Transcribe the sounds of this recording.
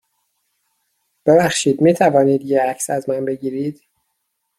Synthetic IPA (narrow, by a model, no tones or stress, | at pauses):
b̥ebæxʃiːd̪miːt̪ʰævɒːniːd̪jeæcʰsæzmænbe̞ɟiːɾiːd̪̥